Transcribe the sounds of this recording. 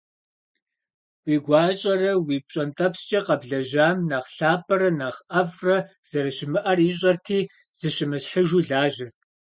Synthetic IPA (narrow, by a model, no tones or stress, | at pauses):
wiːɡʷɑːɕʼɐrɐwiːpɕʼɐntʼɐpst͡ʃʼɐqɐbɮɐʑaːmnaːχɬaːpʰʼɐɾɐnaːχʔɐvrɐ | z̥ɐɾɨɕɪmɨʔɐriːɕ̬ʼɐrtʰiː | z̥ɨʃɪmɨsħəʒuːɮaːʒɪrtʰ